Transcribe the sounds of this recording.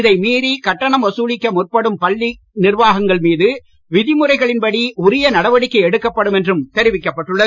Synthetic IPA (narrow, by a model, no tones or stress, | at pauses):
ɪðɐɪmiːɾikɐʈːɐɳɐmʋɐsuːɻɪkːɐmʊrpɐɽɯmpɐɭːi | nɪrʋaːɣɐŋɡɐɭmiːðɯ | ʋɪðɪmɯrɐɪɣɐɭɪnpɐɽiʊɾɪjɐnɐɽɐʋɐɽɪkːɐɪɛɽɯkːɐpːɐɽɯmɛndrɯmt̪ɛɾɪʋɪkːɐpːɐʈːɯɭːɐ